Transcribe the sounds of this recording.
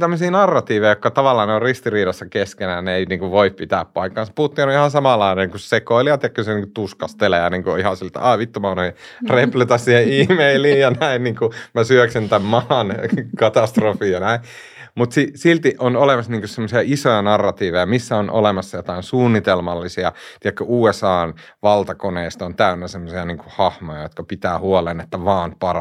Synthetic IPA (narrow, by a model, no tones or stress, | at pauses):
t̪æmːøsiːnɑrːɑt̪iːʋejokːɑt̪ɑʋɑlːɑːneorrist̪iriːɾɑsːɑkeskenæneeiniːŋkuʋʋoippit̪æ̰ːppɑikːɑːnse̥puhut̪ːiːnoihɑ̃nsɑmɑlːɑinekussekoiliʋɑt̪jɑkylseniːŋkut̪uskɑst̪eleæniːŋkuo̰ihɑsilt̪æ̰ɑːʋit̪ːomɑːnoi | replet̪ɑssiːheihmeiliːjɑnæinniːŋkumæsyøksint̪æmmɑɑnkɑt̪ɑst̪rofiːjɑnæi | mut̪sisilt̪iʔonolemɑsniːŋkussemːosiɑisojɑnɑrːɑt̪iːʋejɑmisːæonʔo̰lemɑsːɑjot̪ɑinsuːnːit̪elmɑlːisiɑt̪iɛkːæuːesɑːn | ʋɑlt̪ɑkoneist̪ɑont̪æynːæsemːosiɑniːŋkuhɑhmojɑjot̪kɑpit̪æːhuolenet̪ːæʋɑːnpɑrɑ